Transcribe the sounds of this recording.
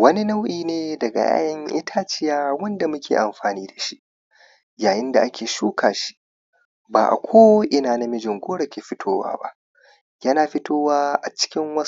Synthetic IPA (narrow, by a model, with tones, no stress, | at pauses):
wɐ˦ni˦na˦wʔiː˨neː˦dɐ˨ɡa̰˨ja̰ː˦jɐ˦ŋʔɪ˦tʰaː˦t͡ʃɪ˦jaː˦wɐ˦nda˨mʊ˦kʲʰḛː˨ʔa˨mɸaː˨niː˦da˨ʃi˦ʔ | jaː˨jɪ˦nda˨ʔa˦kʲʰeː˨ʃuː˦kʰaː˨ʃi̥˦ | baː˨ʔa̰˨kʷʰoː˦ʔɪ˨naː˨na˦mɪ˦d͡ʒɪ˨ŋɡʷoː˦ɽɐ˨kʲeː˨ɸɪ˦tʰoː˦wa̰ː˦ba̰˦ʔ | jɐ˦naː˨ɸɪ˦toː˦waː˦ʔa˨t͡ʃɪ̥˦kʲɪ˦ŋwɐ˦